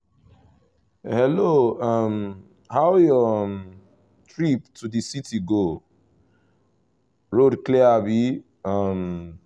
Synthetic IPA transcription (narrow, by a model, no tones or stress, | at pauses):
hɛloʌm | haʊjɔm | tɹiptʰudisitiɡo | ɹodklɛabi | ʌm